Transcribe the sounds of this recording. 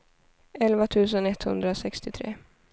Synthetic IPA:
ɛlvat̪ʰʉ̟ːs̬ənɛt̪hɵ̰nd̪ɾasɛkst̪ɪt̪ʰɾḛː

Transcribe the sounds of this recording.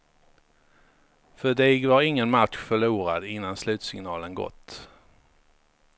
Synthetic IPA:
fœɖiːɡvaɾɪŋːənmat̪ɧfœɭuːɾad̪ɪnːanslʉ̟ːt̪sɪŋnɑːlənɡɔ̰t̪ː

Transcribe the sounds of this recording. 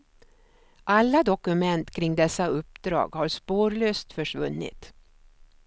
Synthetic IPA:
ʔalːad̪ɔkɵmɛnt̪kʰɾɪŋd̪ɛsːaɵpːd̪ɾɑ̰ːɡhaɾspoːɾɭøːst̪fœʂvɵnːɪ̰t̪

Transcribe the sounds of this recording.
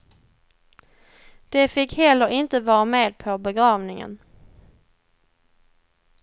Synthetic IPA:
d̪̥ɛfɪkhɛlːəɾʔɪnt̪əvɑːɾameːd̪̚pʰɔbɛɡɾɑːvnɪŋə̰n

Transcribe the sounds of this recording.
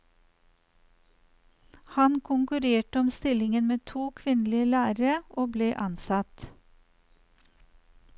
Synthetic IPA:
hɑnkʰʊŋkʉɾeːʈəɔmst̪ɪlɪŋənmeːt̪ʰuːkʰʋɪnlɪəlæːɾəʔoːbleːʔɑnsɑt̪

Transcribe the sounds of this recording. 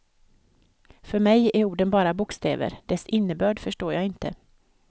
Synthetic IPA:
fœɾmɛjæɾuːɖənbɑːɾabʊkst̪ʰḛːvə̰ɾɖ̪ɛsɪnːəbœːɖfœʂʈoːɾjɑːɪnt̪ə̰

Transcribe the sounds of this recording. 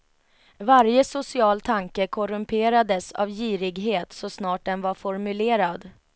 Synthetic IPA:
vaɾjəsʊsɪɑːlt̪ʰaŋkəkʰɔɾɵmpʰeːɾad̪əsa̰vjiːɾɪɡɦeːt̪sɔsnɑːʈ̚d̪ɛnvaɾfɔɾmɵleːɾad̪

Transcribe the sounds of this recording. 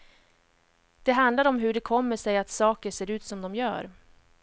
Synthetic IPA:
d̪̥ɛɦand̪laɾɔmɦɵɖɛkʰɔmːəʂɛjat̪sɑːkəʂeːɾʉ̟ːt̪sɔmd̪ɔmjœ̰ːɾ

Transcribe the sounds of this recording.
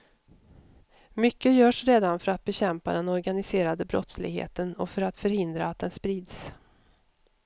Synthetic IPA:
mʏkːəjœːʂɾeːd̪anfœɾat̪̚bɛɕɛmpa̰d̪ɛnɔɾɡanɪseːɾad̪əbɾɔ̰t̪slɪ̰ɡhḛːt̪ənɔfœɾat̪fœɾhɪnd̪ɾaːt̪̚d̪ɛnspɾiːd̪s

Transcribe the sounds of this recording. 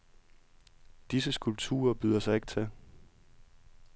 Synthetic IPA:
d̥is̬əsɡ̥ulb̥̚t͡sʰṵːɐb̥yðˠɐsɑ̈ɪe̝ɡ̥̚t͡sʰe

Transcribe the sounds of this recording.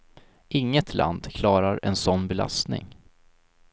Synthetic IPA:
ʔɪŋːət̪ʰla̰nd̪kʰlɑːɾaɾɛ̰nsɔnːbɛla̰st̪nɪ̰ŋ

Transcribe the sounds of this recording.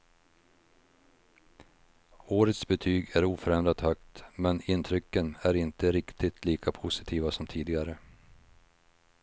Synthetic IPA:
oːɾət̪sbɛt̪ʰyːɡæɾuːfœɾɛnd̪ɾat̪hœkt̪mɛnɪnt̪ʰɾʏkːənæɾɪnt̪əɾɪkt̪ɪt̪ʰliːkʰapʰʊsɪ̥t̪ʰiːvasɔmt̪ʰiːd̪ɪɡaɾə

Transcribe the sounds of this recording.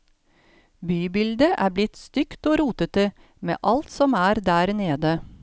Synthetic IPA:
byːbɪld̪əʔæːblɪt̪st̪ʏkt̪oːɾuːt̪ət̪ə | mḛːʔɑlt̪sɔmæːɾd̪æːɾneːd̪ə

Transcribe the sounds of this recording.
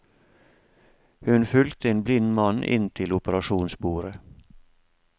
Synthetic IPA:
hʉnfʏlt̪əeːnblɪnmɑnʔɪ̰nt̪ʰɪlʊpəɾɑʃuːnsbuːɾə

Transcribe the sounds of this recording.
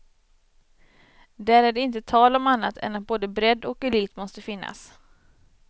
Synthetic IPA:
d̪æɾæɖɛɪnt̪ət̪ʰɑːlɔmanːat̪ʰɛ̰nːat̪̚boːd̪əbɾɛd̪ɔkɛliːt̪mɔst̪əfɪnːa̰s

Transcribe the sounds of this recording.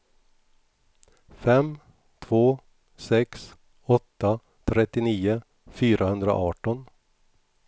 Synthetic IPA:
fɛm | t̪ʰvoː | sɛks | ɔt̪ːa | t̪ʰɾɛt̪ːɪniːʊ | fyːɾʔahɵnd̪ɾa̰ʔɑːʈɔn

